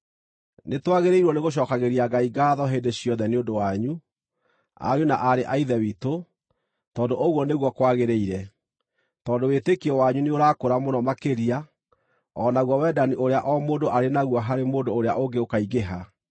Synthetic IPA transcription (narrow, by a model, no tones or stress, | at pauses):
netwaɣeɾeiɾwɔneɣoɕ̬ɔkaɣeɾiaɡaiɡaːðɔɦeːndeɕjɔðɛneondowaɲu | a̰ɾjonaʔaɾeʔaiðɛwito | tɔːndoʔoɣwɔneɣwɔkwaɣeɾeiɾɛ | tɔːndowetekiɔwaɲuneoɾakoɾamonɔmakeɾia | ɔːnaɣwɔwɛdaniʔoɾeaʔɔmoːdoʔaɾenaɣwɔɦaɾemoːndoːɾeaʔoŋɡeokaiɣeɦa